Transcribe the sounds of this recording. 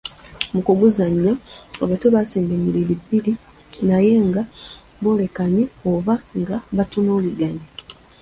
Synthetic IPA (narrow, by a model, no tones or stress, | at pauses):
mukuɡuzaɲːaoβatoβasiːmbeɲilelibːili | naje̞ŋɡa | βo̞ːle̞kaɲioβaŋɡaβatunoːliɡaɲi